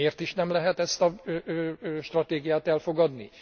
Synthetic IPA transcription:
eːrt̪iʃnɛmlɛɦɛt̪ɛst̪ɒ | ʃt̪rɒt̪eːɡijaːt̪ɛlfo̞ɡɒd̪nḭ

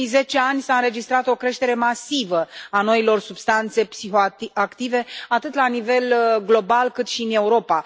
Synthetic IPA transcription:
ze̞t͡ʃe̞anʲsaɨnɾe̞d͡ʒist̪ɾat̪o̞kɾe̞ʃt̪e̞ɾe̞masivəano̞ilo̞rsubst̪ant̪se̞psixoiakt̪ive̞at̪ɨt̪lanive̞lɡlo̞balkɨt̪ʃiɨne̞uɾo̞pa

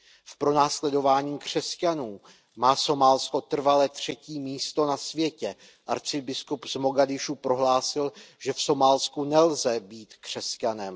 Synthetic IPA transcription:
fpɾo̞naːslɛdo̞vaːɲiːkr̥ɛscanuː | maːso̞maːlsko̞t̪r̩valɛːt̪r̝̥ɛciːmiːst̪o̞nasvjɛcɛ | ʔaɾt͡sɪbɪskupzmo̞ɡadɪʃupɾo̞ɦlaːsɪlʒ̥ɛfso̞maːlskunɛlzɛbiːt̪kr̝̥ɛscanɛm

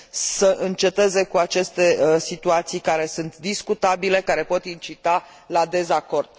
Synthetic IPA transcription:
səʔɨnt͡ʃe̞t̪e̞ze̞kuat͡ʃe̞st̪e̞sit̪uat̪sijkaɾe̞sunt̪d̪iskut̪abile̞kaɾe̞po̞t̪int͡ʃit̪a | lad̪e̞zako̞rd̪̥̚

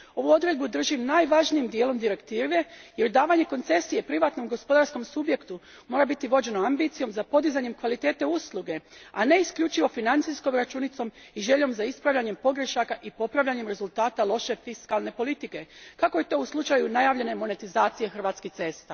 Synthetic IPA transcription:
o̞ʋuo̞d̪ɾe̞d̪bud̪r̩ʒimnajʋaʒnijimd̪jeːlˠo̞md̪iɾe̞kt̪iːʋe̞je̞ɾd̪aːʋaɲe̞ko̞nt̪se̞sijepɾiʋaːt̪no̞mɡo̞spo̞d̪aɾsko̞msubje̞kt̪u | mo̞ːɾabit̪iʋo̞d͡ʑe̞no̞ambit̪sijo̞mzapo̞d̪izaɲe̞mkʋalit̪e̞ːt̪e̞uslˠuɡe̞a̰ne̞isklʎut͡ʃiʋo̞finant̪sisko̞mɾat͡ʃunit̪so̞miʒe̞ʎo̞mzaispɾaʋʎʲaɲe̞mpo̞ɡɾe̞ʃakaʔipo̞pɾaʋʎaɲe̞mɾe̞zult̪aːt̪alˠo̞ʃe̞fiskalˠne̞po̞lit̪ike̞kako̞jet̪o̞ːuslˠut͡ʃajunajaːʋʎe̞ne̞mo̞ne̞t̪izaːt̪sije̞xr̩ʋaːt̪skit̪se̞st̪a

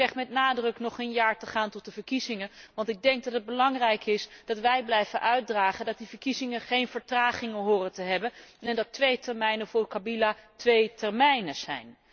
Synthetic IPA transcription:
ɛχtmɛtnaːdrɵknɔχənjaːɹtəχaːntɔt̚dəvəɹkizɪŋənʋɑntɪɡ̚dɛŋk̚dɑtəd̚bəlɑŋrɛjkɪsd̥ɑtʋɛjblɛjvənʔœɥt̚draːχəndɑt̚divəɹkizɪŋənχejnv̥əɹtraːχɪŋəɦʊːrətəɦɛbənɛndɑtʋejtɛɹmɛjnəvʊːɹkabilatʋejtɛɹmɛjnəz̥ɛ̰jn

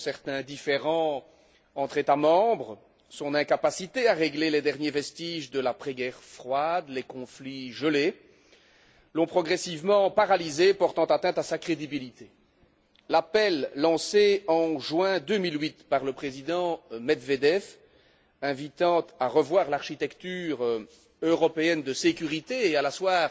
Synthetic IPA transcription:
sɛʁt̪ɛ̃d̪ifeʁɑ̃ | ɑ̃t̪χet̪amɑ̃bʁə | sɔ̃nɛ̃kapasit̪eaʁeɡleled̪ɛʁnjevɛst̪iʒd̪əlapχɛɡɛʁfχwad̪lekɔ̃fliʒəle | lɔ̃pχɔɡʁɛsivmɑ̃paʁalizepɔʁt̪ɑ̃t̪at̪ɛ̃t̪asakχed̪ibilit̪ʰe | lapɛlːɑ̃seɑ̃ʒwɛ̃d̪ømilwit̪paʁləpχezid̪ɑ̃mɛd̪ved̪ɛf | ɛ̃vit̪ɑ̃t̪aʁəvwaːʁlaʁʃit̪ɛkt̪yːʁ | øʁɔpeɛnd̪əsekʲyʁit̪eːalaswaːʁ

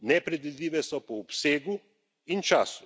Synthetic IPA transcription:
nɛpɾɛd̪ʋid̪liːʋɛsɔpɔːpseːɡu | int͡ʃaːsu

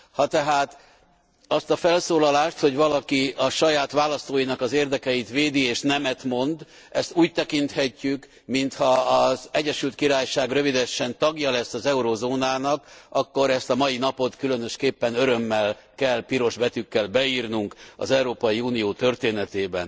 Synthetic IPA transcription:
hɒt̪ɛɦaːt̪ | ɒst̪ɒfɛlsoːlɒlaːʃt̪ho̞ɟvɒlɒkiɒʃɒjaːt̪ʋaːlɒst̪oːjinɒkɒzeːrd̪ɛkɛjit̪ʋeːd̪ieːʃnɛmɛt̪mo̞nd̪ | ɛst̪uːc̚t̪ɛkint̪hɛcːyk | mint̪hɒːzɛɟɛʃylt̪̚kiɾaːjʃaːɡrø̞vid̪ɛʃːɛnt̪ɒɡjɒlɛsːɒzɛuɾoːzoːnaːnɒkɒkːo̞ɾɛst̪ɒmɒjinɒpo̞t̪kylønøʃkeːpːɛnøɾø̞mːɛl | kɛlpiɾo̞ʒbɛt̪ykːɛlbɛiːrnuŋkɒ̰zɛuɾoːpɒjiuːnijoːt̪ørt̪eːnɛt̪eːbɛ̰n

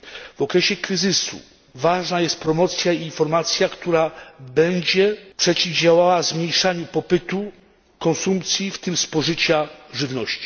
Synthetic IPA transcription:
v̥ɔkɾɛɕɛkɾɘzɘsṵ | vaʐnajɛst̪̚pɾɔmɔt̪sʲjaiːnfɔɾmat̪sʲjakt̪uɾabɛɲd͡ʑɛpʂɛt͡ɕivd͡ʑawawavzmɲejʂaɲupɔpɘt̪u | kɔnsumpt̪sʲjift̪ɘmspɔʐɘt͡ɕaʐɘvnɔɕt͡ɕi̥

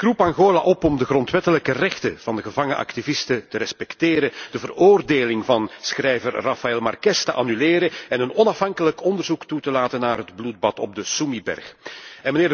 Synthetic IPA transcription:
krupaŋɣoːlaʔɔpɔmdəɣrɔntʋɛtələkərɛxtəv̥ɑndəɣəvɑŋəəʔɑ̰ktivɪstətəɾɛspɛkteːɾəd̥əvəroːrdeːlɪŋvɑnsxrɛjvərrɑfaɛlˠmɑ̰rkɛstəʔanyleːɾəɛnənɔnɑfɦɑŋkələkɔndərzuktutəlaːtənːaːrɦədblud̚bɑtɔb̚dəsumibɛ̰rxɛnməneːr

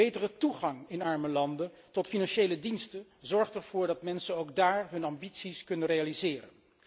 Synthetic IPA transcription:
ejtərətuχɑŋɪnɑɹməlɑndə | tɔtfinɑnʃejlədinstə | zɔɹχtɛɹv̥ʊːɹdɑtmɛnsənowɡdaːɹɦɵnɑmbitsiskɵnənrejalizɪːɾə̰n

